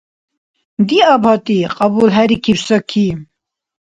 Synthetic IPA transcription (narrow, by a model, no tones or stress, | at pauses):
d̪iːɑːbhɑt̪iqʼɑbuːlɦɛɾikʰibsɔkʰim